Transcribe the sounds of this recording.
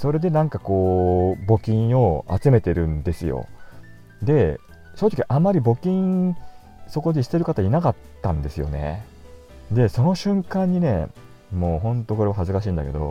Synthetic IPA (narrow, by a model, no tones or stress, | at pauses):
so̞ɾe̞d̪e̞nãŋkako̞ːbo̞kʲĩɰ̃o̞a̰t͡sɨme̞t̪e̞ɾɯ̟̃nd̪e̞sɨjo̞̰ | d̪e̞ | sonot̪okʲiiʔamaɾʲibo̞kʲĩ | so̞ko̞d̪iɕi̥t̪e̞ɾɯ̟kat̪ainakat̪ːãnd̪e̞sɨjo̞̰ne̞̰ | d̪e̞so̞no̞ɕɨ̃ŋkãɲ̟ːine̞̰ | mo̞ːɦõ̞nt̪o̞ko̞ɾe̞βaɦazɨkaɕ̬ĩːnd̪ake̞̰d̪o̞̰